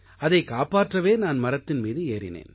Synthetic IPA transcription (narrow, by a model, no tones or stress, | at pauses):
ɐðɐɪkaːpaːʈrɐʋeːnaːnmɐɾɐt̪ːɪnmiːðɯeːɾɪ̰nḛːn